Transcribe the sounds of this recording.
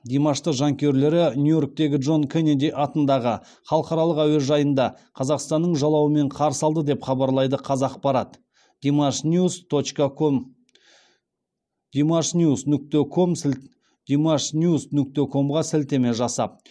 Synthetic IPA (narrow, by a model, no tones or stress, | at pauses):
d̪emɑʃt̪əqʒɑŋkʲʰe̞ɾle̞ɾɪnjujo̞rk̚t̪e̞ɡʲɪʒo̞nkʲʰened̪ijʔɑt̪ənd̪ɑʁə | χɑlˠəqɑɾɑlˠəqæwe̞lʒɑjənd̪ɑ | qʰɑzɑqst̪ɑnːəɴʒɑlˠɑwəme̞ɴqʰɑɾsɑlˠd̪əd̪e̞pχɑbɑɾlˠɑjd̪əqʰɑzɑq̚bɑɾɑt̪ | d̪̥imʃust̪ot͡ʃk | d̪̥ʲimɑʃnjusnʏk̚t̪ekʰo̞m | d̪̥imɑʃnjusnʏk̚t̪e̞kʰo̞mʁɑsɪlt̪e̞me̞ʒɑsɑ̰p̚